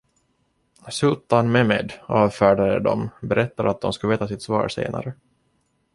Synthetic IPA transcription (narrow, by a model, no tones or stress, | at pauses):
sɵːt̪anmɛmed̪ɑːvfæːɖad̪əd̪ɔ̰mbɛɾɛt̪ːad̪at̪̚d̪ɔmskɵveːt̪asɪt̪svɑ̰ːɾsḛːna̰ɾə